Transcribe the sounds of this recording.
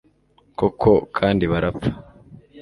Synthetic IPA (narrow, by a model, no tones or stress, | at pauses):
kokʰokʰaːndiβaɾapp͡fḁ